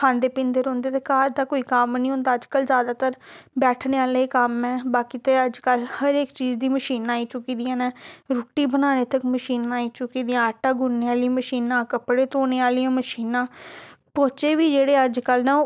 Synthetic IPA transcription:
kʰãːnd̪eːpɪ̃nd̪eːɾõːnd̪eːt̪eːkaːɾd̪aːkoːiːkamnĩːɦõːnd̪aːəd͡ʒkəlzjaːd̪aːt̪əɾbɛːʈʰneːaːleːeːkəmɛ̃ːbaːkiːt̪eəd͡ʒkəlhəɾeːkt͡ʃiːd͡ʒd̪iːməʃiːnaːiːt͡ʃʊkiːd̪ijãːnɛ̃ːɾoːʈːiːbənaːneːt̪əkməʃiːnːaːiːt͡ʃʊkiːd̪ijãːəʈːaːɡʊnːeːaːliməʃiːnãːkəpɽeːt̪oːneːaːlijãːməʃiːnãːpoːt͡ʃeːʋiːd͡ʒeːɽeːəd͡ʒkəlnɛ̃ː

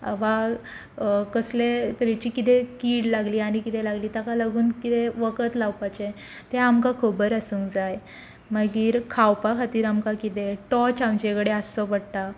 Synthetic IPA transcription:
a̰ʋa | kəslet̪ɾit͡ɕiːkit̪ekiːɽlaɡliːaɽ̃ikit̪elaɡliːt̪akalaɡuːnkit̪eʋəkət̪lawpat͡ɕe | t̪eamkakʰobəɾəsuŋkd͡zaj | məɡiːɾkʰawpakʰat̪iːɾamkakit̪eʈɔt͡ɕamt͡ɕekɽeasɔpəɽt̪a

